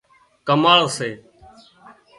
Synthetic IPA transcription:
kəmaːɭseː

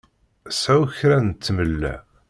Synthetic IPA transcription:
sæuçɾænt̪ːməlːæ̰

